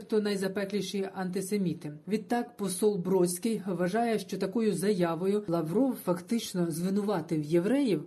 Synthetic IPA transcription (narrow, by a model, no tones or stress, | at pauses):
t̪ɔnɐjzɐpɛklʲiʃɪjiʔɐnt̪ɪsemʲit̪ɪʋʲid̪̚t̪ɑkpɔsɔlˠbɾɔsʲkɪjʋɐʒɑjɛʃt͡ʃɔt̪ɐkɔjʊzɐjɑʋɔjʊlˠɐʋɾɔwfɐkt̪ɪt͡ʃnɔzʋɪnʊʋɑt̪ɪwjeʋɾɛjiw